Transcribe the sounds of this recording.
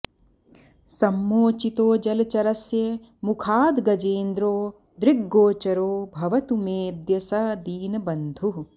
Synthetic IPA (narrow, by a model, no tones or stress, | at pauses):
sɐmːoːt͡ʃit̪oːd͡ʒɐlɐt͡ʃɐɾɐsjɐ | mukʰaːd̪ɡɐd͡ʒeːnd̪ɾoː | d̪ɾiɡːoːt͡ʃɐɾoːbʱɐʋɐt̪umeːd̪jɐsɐd̪iːnɐbɐnd̪ʱu